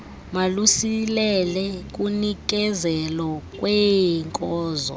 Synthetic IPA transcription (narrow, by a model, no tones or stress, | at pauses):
malusilɛlɛk̬ʼunik̬ʼɛzɛlɔkʼwɛŋkʼɔːzɔ̰